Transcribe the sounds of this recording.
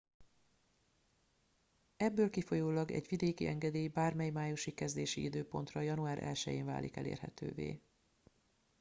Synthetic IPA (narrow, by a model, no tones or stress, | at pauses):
ɛbːøːlkifo̞joːlɒɡɛ̰ɟʋid̪eːkiʔɛŋɡɛd̪eːjibaːrmɛjmaːjuʃikɛzd̪eːʃiid̪øːpo̞nt̪rɒjɒnuaːɾʔɛ̰lʃɛjḛːɱva̰ːlḭkɛ̰lḛːrɦɛ̰t̪ø̰ːvḛː